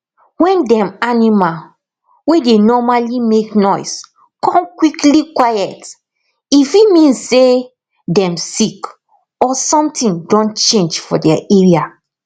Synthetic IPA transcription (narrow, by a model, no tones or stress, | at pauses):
wɛ̃ndɛ̃manima | wedenɔmalimeknɔjs | kɔ̃mkwiklikwajɛt | ifimĩnse | dɛ̃msik | ɔsɔ̃mtĩŋdɔ̃nt͡ʃẽnd͡ʒfɔdɛʔeɹia